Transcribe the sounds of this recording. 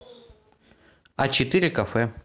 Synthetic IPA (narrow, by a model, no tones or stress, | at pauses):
ɐt͡ɕɪt̪ɨɾʲɪkɐfɛ